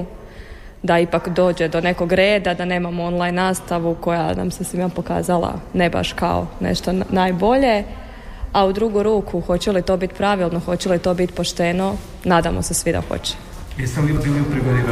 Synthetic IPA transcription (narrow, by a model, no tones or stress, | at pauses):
d̪aipakd̪o̞ːd͡ʑed̪o̞ne̞ko̞ɡɾeːd̪ad̪ane̞ːmamoonlˠajnːaːst̪aʋuko̞ja̰na̰msesʋimapo̞ka̰ːzalˠa̰ne̞ba̰ʃka̰o̰nḛʃt̪o̞najbo̞ʎe̞ | aud̪ɾuːɡuɾuːkʰuxo̞t͡ɕelit̪o̞ːbit̪pɾaʋilˠno̞xo̞t͡ɕelit̪o̞ːbit̪po̞ʃt̪eno̞ | naːd̪amo̞̰sesʋid̪a̰xo̰t͡ɕe̥ | jist̪eliod̪vilʲiupɾiɡod̪i